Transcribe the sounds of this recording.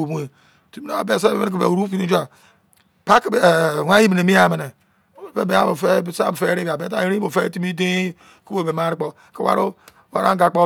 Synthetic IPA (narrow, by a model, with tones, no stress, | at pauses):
o˨mu˦e˨ | ti˦mi˦na˦a̰˨be˨s̬a˦be˦e˦n˦ki˨bḛ˨u˨ɾu˦fi˦ni˦d͡ʒa˨ | pa˦kbwʷa˦ji˦mi˨ne˨mi˦a˨me˨ne˨ | o˦˨˦be˨be˨˦a˦mo˨fe˦˨sa̰˦˨fe˦ɾi˦ɡa˨be˨˦ta˦ɾi˦i˦o˨fe˦ti˦mi˦de˦ | ku˦o˦˨be˨m˦a˦ɾi˦k͡po˦ | ke˨wa̰˦ɾo˦ | wa̰˨ɾa̰˦ɡa˨k͡po˦